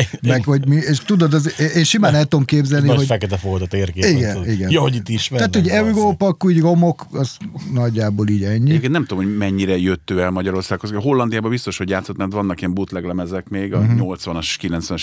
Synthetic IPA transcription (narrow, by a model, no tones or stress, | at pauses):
mɛɡho̞ɟmieːʃt̪ud̪od̪ɒzʔeːnʃimaːnɛlt̪uomkeːbzɛlniɦoɟfɛkɛt̪ɛfoɡod̪ot̪eːrkeːiɡɛniɡɛnjɒhoɟit̪ːiʃmɛt̪aːt̪ho̞ɟɛuɡoːpɒkːuɟɡo̞mo̞kɒznɒɟːaːboːliːɟɛɲːijepkennɛmt̪ud̪omhoɟmɛɲːiɾɛjøt̪ːøːɛlmɒɟɒɾo̞rsaːkhozɦo̞lːɒnd̪ijaːbɒbist̪o̞ʃhoɟjaːt̪so̞t̪mɛrt̪vɒnːɒkiɛmbut̪lɛɡlɛmɛzɛkmeːɡɒɲo̞lt̪sʋɒnɒʃʃkilɛnsʋɛnʃ